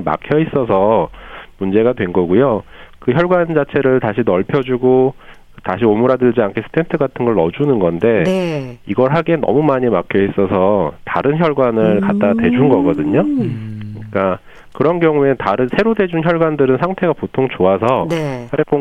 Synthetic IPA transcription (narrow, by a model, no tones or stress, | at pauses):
ma̰kʰjʌis͈ʌs̬ʰʌmund͡ʑe̞ɡadwe̞nɡʌɡujokɯçjʌɭɡwand͡ʑat͡ɕʰe̞ɾɯɭtaɕʰinʌɭpʰjʌd͡ʑuɡo | taɕʰiomuɾadɯɭd͡ʑiankʰe̞sʰɯ̥tʰe̞ntʰɯɡatʰɯnɡʌɭːʌd͡ʑunɯnɡʌnde̞niɡʌɭɦaɡe̞nʌ̰mumaɲimakʰjʌis͈ʌsʰʌtaɾɯnçjʌɭɡwanɯɭkat̚t͈atwe̞d͡ʑunɡʌɡʌdɯɲoɯik͈a | kɯɾʌnɡjʌŋue̞taɾɯnsʰe̞ɾode̞d͡ʑunçjʌɭɡwandɯɾɯnsʰaŋtʰe̞ɡapotʰoŋt͡ɕoasʰʌnesʰap͈o